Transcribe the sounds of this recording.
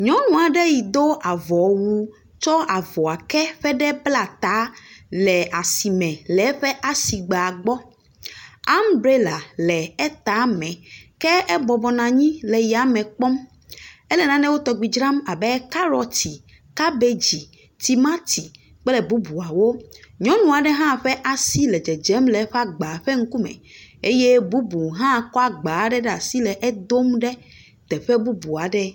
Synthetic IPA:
ɲɔ̃˨˦nũ˨a˨ɖɛ˦ji˨d̪o˦ʔa˨vɔ˨wu˨ | t͡ʃɔ˦a˨vɔ˨a˨kɛ˦ɸɛ˦ɖɛ˦bla˨t̪a˨˦lɛ˨a˨si˨mɛ̃˨lɛ˨˦ɸɛ˦ʔa˦si˨ɡ͡ba˨a˨ɡ͡bɔ˦ | a˦mbɾe˦la˨lɛ˨ɛ˦t̪a˨˦mɛ̃˨kɛ˦ɛ˦bɔ˨bɔ˨nã˨ɲĩ˦lɛ˨ji˨a˨mɛ̃˨k͡pɔ˦m | ɛ˦lɛ˨nã˨nɛ̃˦wo˦t̪ɔ˨ɡ͡bi˨d͡ʒɾã˦ma˨bɛ˦ka˦ɾɔ˦t̪i˨ | ka˦be˦d͡ʑi˨ | t̪i˨ma˦t̪ʰi˨ | k͡pɛ˦lɛ˨bu˦bu˨a˨wo˦ɲɔ̃˦nũ˨a˨ɖɛ˦ɦã˦˨ɸɛ˦ʔa˨si˦lɛ˨d͡ʒɛ˨d͡ʒɛ˨˦mlɛ˨˦ɸɛ˦a˦ɡ͡ba˨ɸɛ˦ŋ̩˦ku˦mɛ̰̃˨e˦je˦bu˦bu˨ɦã˦kɔ˦a˦ɡ͡ba˨˦ɖɛ˦ɖɛ˦a˨si˦lɛ˨ʔɛ˦d̪o˦mɖɛ˦ | t̪ɛ˨ɸɛ˦bu˦bu˨a˨ɖɛ˦

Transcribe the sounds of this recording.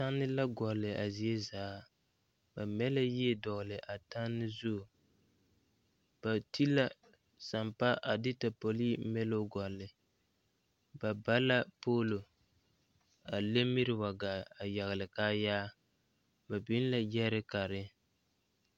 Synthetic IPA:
ta˦nːɪ˦la˦ɡɔ˨lɪ˨a˨zi˨e˦zaː˨˦ | ba˨mɛ˦la˦ji˦e˦dɔ˨ɣlɪ˨ʔa˨ta˦nːɪ˦zu˦˨ | b̥a˨ti˦la˦ | sa˨mpa˦ʔa˨di˦ta˨po˨li˦mɛ˦lo˦ɡɔ˨lɪ˨ | ba˨ba˦la˦poː˦lo˨ | a˨le˦mi˦ɾɪ˦wa˨ɡa˨a˨ja˨ɣɪ˨lɪ˨kaː˦jaː˦ | ba˨bi˦n˦la˦jɛ˦ɾɪ˦ka˨ɾɪ˦

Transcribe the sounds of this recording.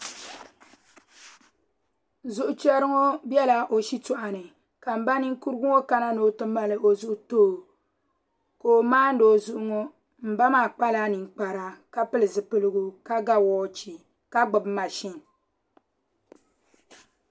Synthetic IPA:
zʊ˦ʔʊ˨t͡ʃɛ˦ɾɨ˦ŋo˦bjɛ˦la˨ʔo˨ʃi˦tu˦ʔa˨nɨ˨ | ka˨m̩˨ba˦ni˦ŋ˦ku˦ɾɨ˦ɡu˦ŋo˦ka˦na˦no˨tɨ˦ma˦lɨ˨ʔo˨zʊ˦ʔʊ˦toː˦˨ | ko˨maː˦n̩˦doː˦˨zʊ˦ʔʊ˦ŋo˦ | m̩˨ba˦maː˦˨k͡pa˦la˦nɨ˨ŋ˨k͡pa˨ɾa˨ka˦pɨ˦lɨ˨zɨ˨pɨ˦lɨ˦ɡu˦ka˦ɡa˦wɔː˨˦t͡ʃi˨ | ka˦ɡ͡bɨ˨bma˨ʃi˦n

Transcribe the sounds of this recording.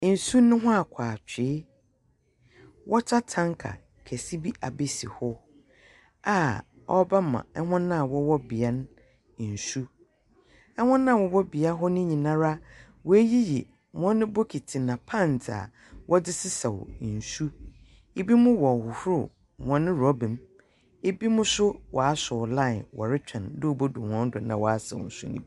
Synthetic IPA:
n̩˨su˦nʊ̃˦ɦʊ̃˦a˨kʷʰaː˨t͡ɕᶣɪ˨˦ | wɔ˦tʰa˦tʰã˦ŋkʰa̰˨ | kʰɛ˨si˦bi˦ʔa˨be˨si˨hɔ˦ | a˨ | ɔ˦ba˦mã̰˨ɛ˦hɔ̃˦nːã˦˨wɔ˦wɔ˦bi˨a˦ñ˦˨ | n̩˨su˦ | ɛ˦hʊ̃˦nːã˦˨wɔ˨wɔ˦bi˨a˦ɦɔ˦nɪ̃˦ɲĩ˨nã˦ɾa˦ | wɔ˨æ˦ji˦jḭ˨ | mɔ̃˦nːʊ̃˦bo˦kʰi˨tʰi˨nã˨pʰã˦˨n˨tʰa̰˨ | wʔɔ˦dɪ˦sɪ˦sa˨w̰n̩˨su˦ | e˦bi˦mʊ̃˦wɔ˨hʊ˨hʊ˦ɾʊ˦˨ | mɔ̃˦nɪ̃˦ɾɔ˦bɪ̃˨m | e˦bi˦mʊ̃˦sʊ˦wʔɔ˨a˦sʊ˨lã˦˨nwɔ̰˨ɾɪ˦t͡ɕᶣʰɛ̃˨ndʊ˦˨bo˦du˨wɔ̃˦n˦dʊ˨˦nã̰˨wɔ˨a˦sɛ̰˨wɔ̰˨n̩˨sʊ̰˦nɪ̰̃˦˨

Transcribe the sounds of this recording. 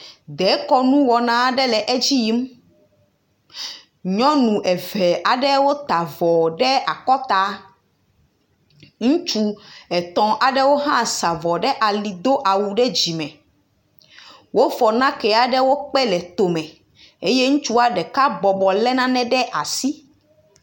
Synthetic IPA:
d̪ɛ˨˦kɔ˦nũ˦wɔ˨nã˦ɖɛ˦lɛ˨ʔɛ˦d͡ʑi˦ji˦m˦ | ɲɔ̃˦nũ˨ʔɛ˨vɛ˨ʔa˨ɖɛ˦wo˦t̪a˨vɔ˨ɖɛ˦a˨kɔ˦t̪a˦ | ŋũ˦t͡ʃu˦ɛ˨t̪ɔ̃˨ʔa˨ɖɛ˦wo˦ɦã˦˨sa˨vɔ˨ɖɛ˦ʔa˨li˨d̪o˦ʔa˨wu˨ɖɛ˦d͡ʑi˨mɛ̃˨ | wo˦vɔ˨nã˦kɛ˨a˨ɖɛ˦wo˦k͡pɛ˦lɛ˨t̪o˨mɛ̃˨ | e˦je˦ŋũ˦t͡ʃu˦a˨ɖɛ˨ka˦bɔ˨bɔ˨lɛ˦nã˦nɛ̃˦ɖɛ˦ʔa˨si˦

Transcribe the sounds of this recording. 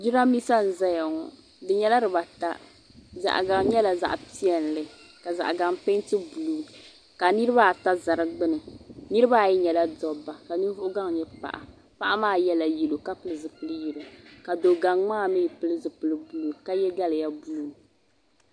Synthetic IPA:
d͡ʒi˦ɾa˦mi˦sa˦n̩˨zɛ˦ja˨ŋɔ˨ | dɨ˨ɲɛ˦la˦ɾɨ˨ba˨ta̰˦ | za̰˨ʔɡa˨ŋ˦ɲɛ˦la˨za̰˨ʔpi˦ɛ˨n˨lɨ˨ | ka˨za̰˨ʔɡa˨ŋpe˦tɨ˦bu˨lu˨ | ka˨nɨ˦ɾɨ˦βa˦˨ta˦za˨ɾɨ˦ɡ͡bɨ˦nɨ˨nɨ˦ɾɨ˦ba˦˨jɛ˦ɲɛ˨la˦dɔ˨bːa˨ka˨nɨ˦vʊ˦ʔʊ˦ɡa˦ŋ˨ɲɛ˦pa̰˨ʔa̰˨ | pa˦ʔa˦maː˦jɛ˦la˨ji˨lo˨ka˦pɨ˨lɨ˨zɨ˨pɨ˨lɨ˦ji˨ɾɨ˨ka˨do˨ɡa˨ŋŋ͡maː˦˨mɨ˦˨pɨ˦lɨ˦zɨ˨pɨ˨lɨ˦bu˦lu˨ka˦jɛ˦ɡa˦lɨ˨ja˦bu˦lu˨

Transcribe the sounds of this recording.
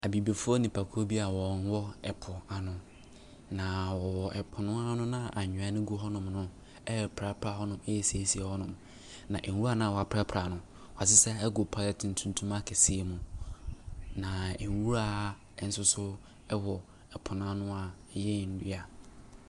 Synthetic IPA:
a˨bi˨be˨fʊ˦ɔ˦nĩ˨pʰa˨kʰʊ˦o˦bi˦a˨wɔ̃˨n˦wɔ˦ɛ˨pʰʊ˨a˨nʊ̃˨ | nã˨wɔ˨wɔ˨ʔɛ˨pʰʊ˨nʊ̃˦a˦nʊ̃˦nã˦˨ʔa˨ɲᶣʊ̃˨a˦nɪ̃˦ɡu˦ɦɔ˦nʊ̃˨mnʊ̃˦ | ɛ˦˨pʰɾa˦pʰɾa˨hɔ˦nʊ̃˨mɛ˦jɛ˨si˨e˨si˦e˨hɔ˦nʊ̃˨m | nã˨ʔɛ˨wu˦ɾa˦nã˦a˨wɔ˨a˨pʰɾa˦pʰɾa˨nʊ̃˨ | wɔ˨a˨s̬ɪ˦sɛ˦ɛ˦ɡʊ˨pʰa˦lɛ˨tʰn̩˨tʰũ˦n˦tʰũ˦ma˦kʰɛ˨si˦e˨mʊ̃˨ | nã˨ɛ˨˦wu˦ɾa˦˨ | n̩˦sʊ˦sʊ˦ | ɛ˦wɔ˨ | ɛ˨pʰʊ˨nʊ̃˦a˦nʊ̃˦a˨˦ | jɛ˦˨n̩˦di˦a˨

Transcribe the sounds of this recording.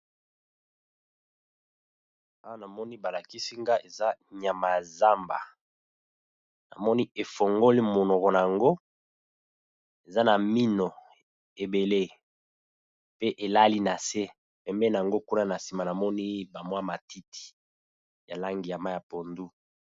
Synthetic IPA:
a˦wa˦na˨mɔ˦ni˦ba˨la˨ki˦si˦ŋɡa˦ʔe˨za˦ɲa˨ma˨za˦mba̰˨ | na̰˨mɔ˦ni˦e˨fo˨ŋɡo˦li˦mo˨nɔ˨kɔ˨na˨a˨ŋɡo˦ | e˨za˦na˨mi˦no˨ | e˨be˨le˦ | pe˦ʔe˨la˦li˦na˨se˦ | pɛ˨mbɛ˦na˨ŋɡo˦ku˦na˦na˨si˨ma˨na˨mɔ˦ni˦ba˨mwa˦ma˨ti˦ti̥˨ | ja˨la˦ŋɡi˨ja˨ma˦ja˨po˨ndu˦

